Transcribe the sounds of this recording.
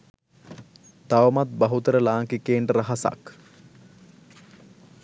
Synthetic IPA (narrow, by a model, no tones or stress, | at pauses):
t̪aʋəmat̪̚bɐɦut̪əɾəlaːŋkikeːɳɖəɾɐɦasa̰k